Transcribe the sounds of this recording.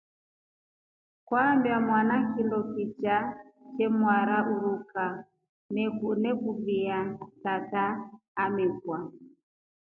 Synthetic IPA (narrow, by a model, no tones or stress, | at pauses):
kwambjamwanakilɔkit͡ʃat͡ʃɛmwaɾaʔuɾuka | nɛkunɛkuviatataː | mɛkwa